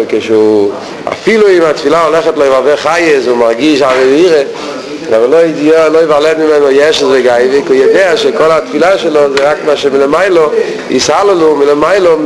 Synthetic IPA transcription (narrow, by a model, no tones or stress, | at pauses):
keʃu | a̰filˠuɪmatfilˠaɔlɛχətloɪvavɛχajəsʊmaʁɡiʃavəbiːɾə | avəlˠoɪloɪvalɛdmɪmɛnɔjɛʃəsveɡaɪvɪkɔjədeaʃɛkɔlˠatfilˠaʃɛlˠɔzeʁakmaʃɛmɪləmaɪlˠə | ɪshalˠəlumɪləmaɪlˠə